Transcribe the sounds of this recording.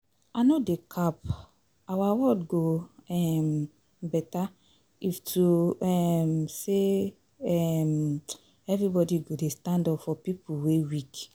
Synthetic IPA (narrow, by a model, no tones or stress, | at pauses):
anodekʰap | awawɔdɡoɛm | bɛta | iftʰuɛmse | ɛm | ɛvɾibɔdiɡodestãndɔpfɔpipuwewik